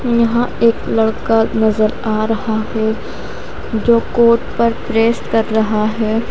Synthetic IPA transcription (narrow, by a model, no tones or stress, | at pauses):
jɐɦãeːklɐɽkanɐzəɾaːɾɐhaɦɛ | d͡ʒoːkoːʈpɐɾpɾeːsʈkɐɾːɐɦaɦɛː